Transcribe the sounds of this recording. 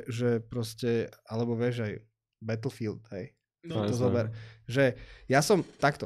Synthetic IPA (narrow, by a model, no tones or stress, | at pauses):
ʒɛpɾɔscɛalɛbɔʋɪɛʒaj | bɛt̪l̩ˠfild̪ɦɛj | t̪ɔzɔbɛɾʒɛjasɔmt̪akt̪ɔ